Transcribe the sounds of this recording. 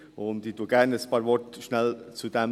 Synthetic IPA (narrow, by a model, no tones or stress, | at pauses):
ʊnd̪ituəɡæɾnəspɑːɾvɔɾtʃnɛlt͡sud̪ɛm